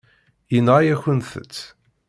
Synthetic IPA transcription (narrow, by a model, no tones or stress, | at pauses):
jənʁajæçənθə̰t͡sː